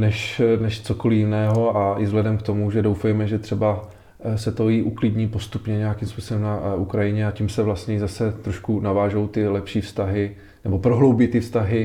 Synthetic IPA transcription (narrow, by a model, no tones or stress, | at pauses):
nɛʃnɛʃt͡so̞ko̞lɪjɪnɛːɦo̞aʔɪzɦlɛdɛmkt̪o̞muʒɛdowfɛjmɛʒɛt̪r̥ɛba | sɛt̪o̞jiʔuklɪdɲiːpo̞st̪upɲɛɲɛjakimspuːsobɛmnaukɾajɪɲɛacimsɛvlast̪ɲɛɪzasɛt̪ɾo̞ʃkunavaːʒo̞wt̪ɪlɛpʃiːfst̪aɦɪ | nɛbo̞pɾo̞ɦlo̞wbɪt̪ɪfst̪aɦɪ